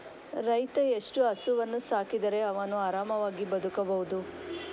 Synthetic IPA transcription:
ɾɐjt̪ɐeʂʈuɐsuʋɐnːusaːkid̪ɐɾe̞ɐʋɐnuaːɾaːmɐʋaːɡibɐd̪ʱukɐbɐɦud̪u

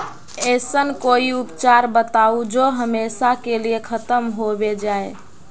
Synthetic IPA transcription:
ɛsənkoiupt͡ʃaɾbət̪aud͡ʒoɦəmesakeliekʰət̪əmɦobed͡ʒae

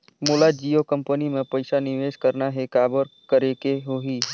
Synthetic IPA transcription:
moːlad͡ʒiːjokə̃mpənimẽpəɪsanɪʋeːʃkəɾnaɦekaːbəɾkəɾekeɦoɦiː

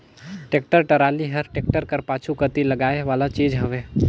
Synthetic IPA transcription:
ʈeːk̚ʈəɾʈəɾaːliɦəɾʈeːk̚ʈəɾkəɾpaːt͡ʃʰukət̪iləɡaːeʋaːlat͡ʃiːd͡ʒɦəʋeː

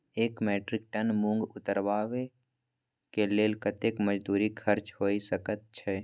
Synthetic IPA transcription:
eːkmɛːʈɾɪk̚ʈənmũŋɡʊt̪əɾʋaːʋe | keleːlkət̪ekməd͡ʒd̪uːɾikʰəɾt͡ʃhoːisəkət̪̚t͡ʃʰɛː

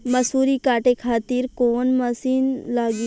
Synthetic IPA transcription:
mɐsuːɾikaːʈekʰaːt̪iɾkoːnmɐsiːnlaːɡi

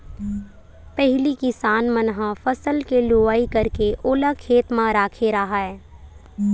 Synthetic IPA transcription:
pɛɦlikɪsaːnmənɦãfɐsəlkelʊaːikɐɾkeʔʊːlakʰeːt̪mãɾaːkʰeɾɐɦaɦɛː

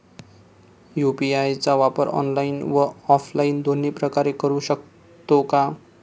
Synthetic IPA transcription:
jupiajt͡sawapʌɾɔ̰nlajnwaːpʰlajind̪onːepɾʌkaɾekʌɾusʌk̚ | t̪oka

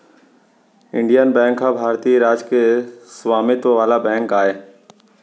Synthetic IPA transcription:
ɪ̃ɳɖijənbɛ̃ːŋkʰːãbʱaːɾt̪iːɾaːd͡ʒkesʋaːmɪt̪ʋaːlabɛ̃ːŋkaːɦeː

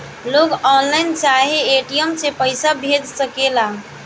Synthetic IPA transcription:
loɡɔnlaɪnt͡ʃaɦeeʈijəmsepəɪsabʱed͡ʒsəkela

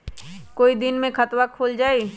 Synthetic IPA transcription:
koːid̪ɪnmẽxʰɐt̪wakʰoːld͡ʒaːe

